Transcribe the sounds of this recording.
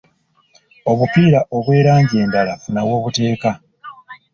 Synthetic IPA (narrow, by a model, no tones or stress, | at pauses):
o̞βupiːɾaʔo̞βwe̞ːɾaːɲɟe̞ːndalafunawo̞ːβute̞ːka